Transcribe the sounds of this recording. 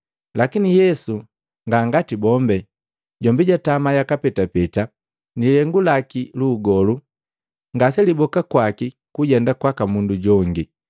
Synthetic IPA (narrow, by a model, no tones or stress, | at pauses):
lakinijɛsu | ŋɡaŋɡatibɔmbɛ | ɟɔmbiɟatamajakapɛtapɛta | nilɛŋɡulakiluːɡɔlu | ŋɡasɛlibɔkakwaki | kuɟɛndakwakamunduɟɔŋɡi